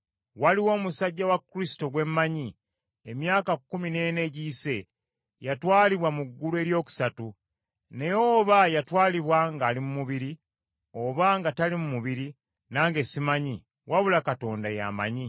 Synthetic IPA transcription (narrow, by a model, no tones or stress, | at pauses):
waliwo̞ːmusaɟːawakːɾisi̥to̞ɡwe̞mːaɲi | e̞mjaːkakːumine̞ne̞ɟiːse̞ | jatwaːliβwamuɡːulue̞ːɾjo̞ːku̥satu | ne̞joːβajatwaːliβwaŋɡaːlimumuβiɾi | o̞βaŋɡatalimumuβiɾi | naːŋɡe̞simaɲi | waβulakato̞ːndaja̰ma̰ɲi